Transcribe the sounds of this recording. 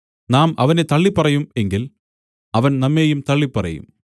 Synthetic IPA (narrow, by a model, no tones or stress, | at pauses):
naːmɐʋɐnet̪ɐɭːipːɐrɐjume̞ŋɡil | ɐʋɐnnɐmːe̞ːjumt̪ɐɭːipːɐrɐ̰jṵm